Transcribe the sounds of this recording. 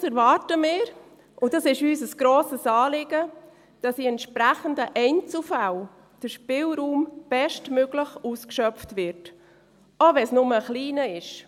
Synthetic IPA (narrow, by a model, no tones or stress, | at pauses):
sɛɾvɑːɾtəmɪːɾ | ʊdɑsɪʃyːsəsɡ̥ɾoːsəsɑːlɪɡə | d̥ɑsdiɛntʃpɾæχəndəʔɛɪnt͡sl̩fal | d̥əɾʃpɪlɾuːmb̥ɛʃtmøɡləχuːskʃœp͡ftvɪɾt | ovɛnsnʊməχliːnəɪʃ